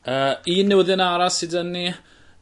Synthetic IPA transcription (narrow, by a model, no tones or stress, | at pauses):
əiːnːɪwəðɪnaɾasɨdənːi